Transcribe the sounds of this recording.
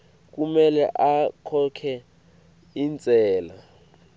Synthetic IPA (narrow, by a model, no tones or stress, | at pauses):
k̬umɛlɛ̰ʔakʰɔkʰɛ | int͡sʼɛːla